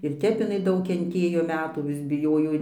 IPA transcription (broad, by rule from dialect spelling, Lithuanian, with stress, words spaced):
ɪr ˈtʲɛp ɪˈnɐɪ ˈdɐʊk kʲɛnʲˈtʲeːjoː ˈmʲæːtuː ʋʲɪs bʲɪˈjoːjoː